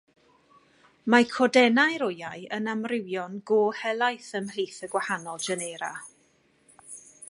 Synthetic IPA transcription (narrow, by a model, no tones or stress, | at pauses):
makʰɔdɛnajɾʊjajənamrɪwjɔnɡoːhɛlˠajθəml̥iːθəɡwahanɔlˠd͡ʒɛneɾa̰